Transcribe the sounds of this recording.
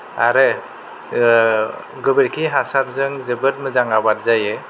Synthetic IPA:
aɾe | ɡɯbeɾkʰiɦasat̚zɯŋzɯbɯt̚mɯzaŋabat̚zajɯ

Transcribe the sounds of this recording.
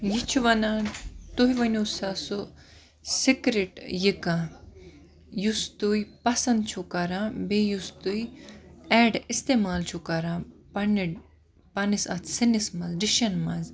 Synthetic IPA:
jit͡ʃʰuʋɐnãːt̪uɦiʋɐnʲusaso | sikɾiʈjikã | just̪ujpɐsɐnd̪̚t͡ʃʰukɐɾãbejust̪ujɛːɖist̪eːmaːlt͡ʃʰukɐɾãːpɐni | pɐnisɐt̪ʰsinismɐzɖiʃɐnmɐz

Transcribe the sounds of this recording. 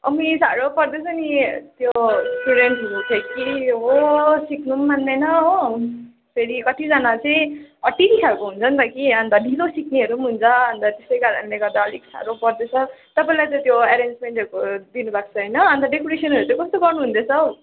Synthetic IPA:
ʌ̰misaɾopʌrd̪et͡sʰʌnit̪josʈuɽeɳʈɦʌɾok̪ʰekiɦosiknumband̪enʌo | pʰeɾikʌt̪ʰid͡zanat͡sʌj̃ʌʈːitikʰakoɦunt͡sʰʌnt̪ʌkiʌnt̪aɖʱilosikniɦʌɾumɦunt͡sʰʌʌnt̪at̪esʌjkaɾʌnleɡʌɾd̪aʌliksa̰ɾopʌrd̪et͡sʰʌt̪ʌpaĩlajt̪ʌ̃t̪joeɾend͡zmeɳʈʌɾukod̪inubak̚t͡sʰʌɦʌjnʌʌnt̪aɖekoɾesʌnɦʌɾut͡sʌ̃kʌst̪oɡʌrnuɦund̪et͡sʰʌo

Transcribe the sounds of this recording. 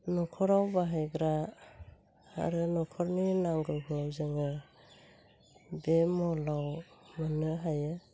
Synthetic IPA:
nɔkʰɔɾawbaɦajɡɾa | a̰ɾɯnɔkʰɔɾninaŋɡɯɡɯzɯŋɯ | bemɔlawmanɯɦajɯ

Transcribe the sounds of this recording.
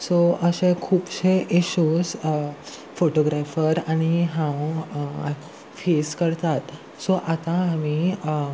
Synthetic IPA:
soəɕẽkʰuːpɕeʔiɕuːs | foʈoɡɾafəɾaɽ̃iɦãw | feskəɾt̪at̪ | soʔat̪ãami

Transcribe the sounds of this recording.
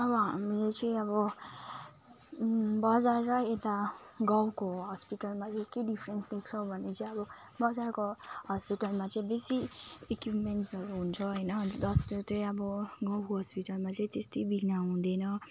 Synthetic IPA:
ʌbʌɦamilet͡sʌ̃ĩʌbɔ | bʌd͡zarːʌet̪a | ɡawkoɦɔspiʈalmaekedipʰɾensd̪ekʰt͡sʰʌwbʱʌnːet͡sʌĩʌbʌ | bʌd͡zarkohɔspiʈalmat͡sʌĩbesiekjupmenʈsʌɾuɦunt͡sʰʌɦʌjnʌɦnd͡zʌst̪ot̪ʌĩʌbʌɡʌ̃wkoɦɔspiʈalmat͡sʌĩt̪est̪ʌjbiɡʱnaɦũd̪enʌ

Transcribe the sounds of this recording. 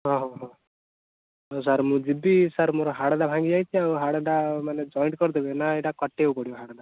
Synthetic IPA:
ɦɔ̃ɦɔ̃ɦɔ̃ | ɔsaɾmũd͡ʒibisaɾmoɾɔɦaɽaɖabʱãŋɡid͡ʒajtʰiauɦaɽaɖamaned͡ʒɔjɳʈkɔɾt̪ʰibɛnaeʈakɔʈːeukɔɽijɔɦaɽaɖa

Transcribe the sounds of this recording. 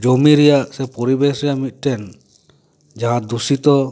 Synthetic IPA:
d͡ʒomiɾɛjaʔsɛpɔɾibɛsɾɛjaʔmit̪̚ˀʈɛn | d͡ʒaɦãd̪usit̪ɔ

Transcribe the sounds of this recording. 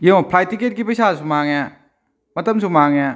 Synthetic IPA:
jeŋɔpʰɾajtiket̚kipɐjsas̬umaŋɛ | mɐtɐmsumaŋɛ

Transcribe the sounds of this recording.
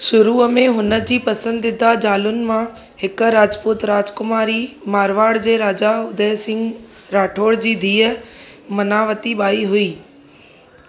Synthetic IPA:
sʊɾuːmẽɦʊnəd͡ʑiːpɐsə̃nd̪ɪd̪ad͡ʑaːlʊnɪ̆mã | hɪkɾaːd͡ʒpʊt̪ɾaːd͡ʒkʊmaːɾimaːɾʋaːɽd͡ʑeːɾaːd͡ʑaʊd̪eːsɪ̃ŋɡ | ɾaːʈʰoːɽd͡ʑiːd̪ʱiːəmɐnaːʋət̪iɓaːiɦʊiː

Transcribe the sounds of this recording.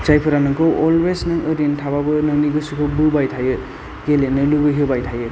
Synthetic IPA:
t͡ʃajpʰɯɾanɯkɯwɔlwesnɯʔɯɾintʰaβabɯnɯniɡɯsukʰɯbɯbajtʰajɯ | ɡ̥elenɯlubɯɦɯbajtʰajɯ

